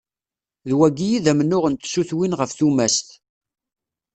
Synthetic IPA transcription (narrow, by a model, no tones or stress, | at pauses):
ðwæɡijiðæmənːʊʁənt̪suθwinʁəfθumæst̪